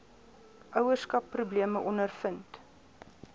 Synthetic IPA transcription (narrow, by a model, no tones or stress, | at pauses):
ʔœwərskɐpːrubliəməʔɔnərfənt